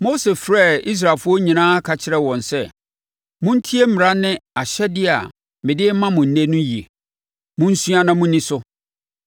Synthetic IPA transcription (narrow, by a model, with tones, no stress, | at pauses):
mo˦se˨fɾɛ˦˨i˦s̬ɾa˨lfʊ˦ɔ˦ɲĩ˨nãː˦kʰa˨t͡ɕʰɪ˦ɾɛ˦wɔ̃˨nsɛ˦ | mʊ̃˦n̩˦tʰi˦e˦m̩˦mɪ˨ɾã˦nɪ̃˦a˨ɕɛ˦dɪ˦a̰˨ | mɪ̃˨dɪ˦mã˦mʊ̃˨n̩˨nẽ˦nʊ̃˦ji˨e˨ | mʊ̃˦n̩˦su˦a˦nã˦mʊ̃˦nĩ˦sʊ˦